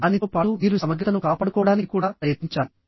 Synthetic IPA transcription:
aniopaːuʋiːɾusɐmɐɡɾit̪ɐnukaːpaːɽukɔːɽaːnikikuːɽaːpɾɐjɐt̪iɲt͡ʃaːli

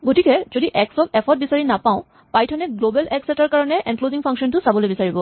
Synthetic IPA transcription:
ɡotikɛzodiʔɛksɔk̚ɛpʰɔt̚bisaɹinapaʊ̃ | pajtʰɔnɛɡlobɛlʔɛksɛtaɹkaɹɔnɛʔɛnkloziŋpʰaŋksɔntʊsabɔlojbisaɹibɔ

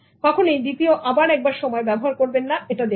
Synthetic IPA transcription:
k̪ɔkʰonejd̪it̪ioʔabaɾɛk̚baɾʃɔmɔebɛboɦaɾkoɾbenːaeʈad̪e

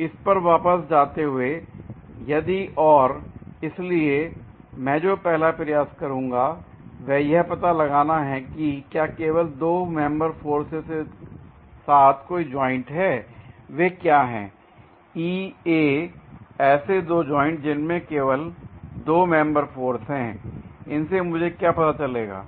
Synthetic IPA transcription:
ɪspɐɾʋaːpəsd͡ʒaːt̪eɦʊe | jɐd̪iʔɔːɾɪsliemɛ̃ːd͡ʒoːpɛɦlapɾɐjaːskɐɾũːŋɡa | ʋɛːjɛɦpɐt̪alɐɡaːnaɦɛkikjaːkeːʋəld̪oːmɛ̃mbəɾfoːɾsese | saːt̪ʰkoːid͡ʒɔːɪ̃ɳʈɦɛːʋekjaːɦɛ̰̃ː | iːeː | ɛːsed̪oːd͡ʒɔːɪ̃ɳʈd͡ʒɪnmẽkeːʋəld̪oːmɛ̃mbəɾfoːɾsɦɛ̃ɪnsemʊd͡ʒʱekjapɐt̪at͡ʃɐleːɡa̰ː

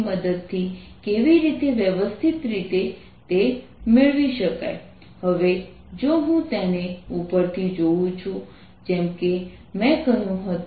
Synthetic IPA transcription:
məd̪əd̪̚t̪ʰːi | keʋiɾit̪eʋjəʋəst̪ʰit̪ɾit̪e | t̪e | mɪɭʋiʃəka̰j | həʋe | d͡ʒoɦũt̪eneupəɾt̪ʰid͡ʒoʋũt͡ʃʰũ | d͡ʒɛmke | mɛ̃ɡəjũɦət̪

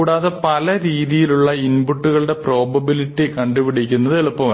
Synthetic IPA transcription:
ɽaːðepɐlɐɾiːðijiluɭːɐinbuʈːuɣɐɭɽe̞pro̞ːbɐbiliʈːikɐɳɖuʋiɽik̬ʲːunːɐðɨeɭupːɐʋɐ

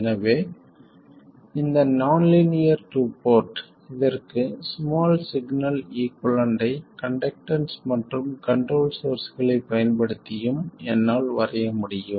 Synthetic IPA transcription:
ɛnɐʋeː | ɪnd̪ɐnɐːnlɪnɪjɐɾʈupoːɾʈ | ɪðɐrkɯsmaːlsɪɡnɐliːkɔɭɐnɖ̪ɐɪkɐɳɖɐk̚ʈɐnsmɐʈrɯmkɐɳʈroːlsoːɾsɣɐɭɐɪpːɐjɐnpɐɽɯt̪ːɪjɯmɛnːaːlʋɐrɐjɐmʊɽɪjɯ

